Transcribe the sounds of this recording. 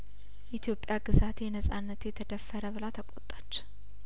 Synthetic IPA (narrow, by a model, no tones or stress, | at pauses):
ʔit̪ʰjo̞pʼːjaɡɨzat̪jɛnəsʼanːət̪jɛt̪ʰəd̪əfːəɾəβɨlat̪ʰəkʼot̪ʼːḁt͡ʃː